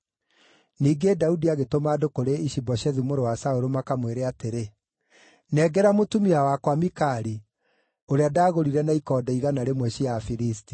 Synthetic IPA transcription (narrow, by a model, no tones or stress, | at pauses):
niːɡedaudiaɣetomaːdokoɾeiɕibɔʃɛðumoɾowasaoɾomakamweɾeateɾe | nɛɡɛɾamotumiawakwamikaɾi | oɾeadaːɣoɾiɾɛnaikɔdɛiɣanaɾemwɛɕiafiɾisti̥